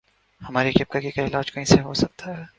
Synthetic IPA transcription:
hɐmaːɾikɪp̚kakikaɪlaːd͡ʒkɐɦĩseɦosɐk̚t̪ʰaɦɛː

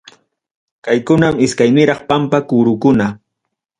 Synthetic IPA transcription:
kajkʊnamɪskajnɪɾɑχpampakuɾʊkʊna

